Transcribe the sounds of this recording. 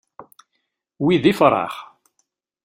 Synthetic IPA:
wiðifɾˤɑ̰χ

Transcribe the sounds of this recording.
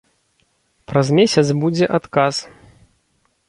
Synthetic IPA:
pɾɐzmʲesʲɐt̪sbud͡zʲɛʔat̪kas

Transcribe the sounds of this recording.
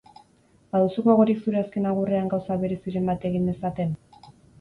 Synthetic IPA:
baðusukoeɣ̞o̞ɾiksuɾe̞aske̞naɣ̞ureaŋɡawsaβe̞ɾe̞siɾe̞mbat̪e̞ɣ̞ind̪e̞sat̪e̞n

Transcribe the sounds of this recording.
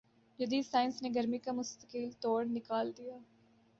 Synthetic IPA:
d͡ʒɐd̪iːsaːɪnsneɡɐɾmikamʊst̪ə̥kiːlt̪oːɽnɪkaːld̪ijaː

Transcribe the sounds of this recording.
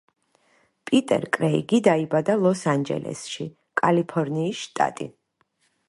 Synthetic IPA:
pʼit̪ʼɛ̰ɾkʼɾɛḭɡid̪aibad̪alˠɔsand͡ʒɛ̰lʔɛ̰sʃi | kʼalipʰɔɾniːsʃt̪ʼa̰t̪ʼḭ

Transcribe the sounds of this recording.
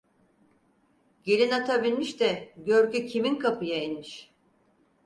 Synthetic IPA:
ɟelʲinat̪ʰabilʲmiʃt̪ɛɟøɾcycʰiminkʰapɯjainmiʃ

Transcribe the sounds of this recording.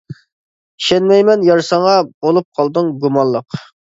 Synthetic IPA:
iʃɛnmɛjmɛnjɑɾsɑɴɑbolˠup̚qʰɑlˠd̪ɨŋɡumɑnlˠəq

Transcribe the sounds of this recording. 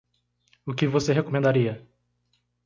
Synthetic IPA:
ʊkɪvoseɦekomẽnd̪aɾiɐ

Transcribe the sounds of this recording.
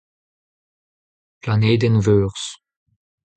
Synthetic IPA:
planeːd̪ɛnvøːʁs

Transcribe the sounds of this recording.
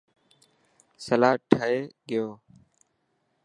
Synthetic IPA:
səlaːʈʰəeːɡɪjoː

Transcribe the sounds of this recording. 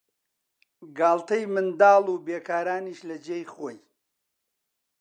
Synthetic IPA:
ɡaːlt̪ɐjmɨnd̪aːluːbeːkʰaːɾaːniːʃlɐd͡ʒejxoːj

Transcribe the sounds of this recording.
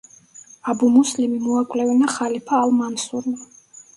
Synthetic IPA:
abumuslimimɔakʼlɛvinaχalipʰaːlmansuɾma

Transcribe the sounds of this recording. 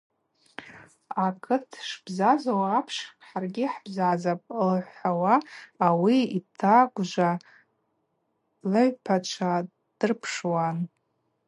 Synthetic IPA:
akʰɨtʰʂb̥zazawaːpʰʂħarɡʲɪħb̥zazapʼlħʷawaːwiitʰaɡʷʒʷa | lɨʕpʰat͡ʃʷʰa | d̥ɨrpʰʂwan

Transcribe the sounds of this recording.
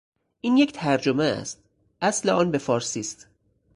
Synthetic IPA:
ʔiːnject̪ʰæɾd͡ʒomeæ̰st̪̚ | ʔæsleʔɒːnbe̞fɒːɾsiːst̪

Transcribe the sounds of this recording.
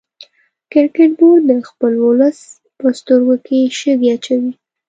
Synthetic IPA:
kɪɾkɪʈ̚boɾd̪əxpəlwʊləs | pəst̪əɾɡokeʃəɡeat͡ʃawi

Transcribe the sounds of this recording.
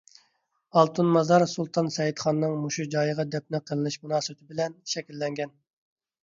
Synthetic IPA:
ɑlˠt̪ʰunmɑzɑɾsulˠt̪ʰɑnsɛjit̪χɑnːɨŋmuʃud͡ʒɑːjəʁɑd̪ɛp̚nɪqʰəlˠɨlˠɨʃmunɑːsɨbɪt̪ʰɪbɪlɛnʃɛkʲilːɛŋɡʲɛn

